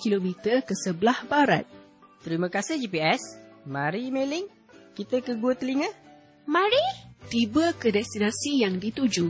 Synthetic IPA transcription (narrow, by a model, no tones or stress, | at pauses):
kilomit̪əkəsəbəlahbaɾa̰t̪̚ | t̪ɾimə̃kasəd͡ʒipiɛsmãɾimelɪŋ | kit̪əkəɡuət̪əliŋə | mãɾit̪ibəkədɛst̪inãsijaŋdit̪ud͡ʒu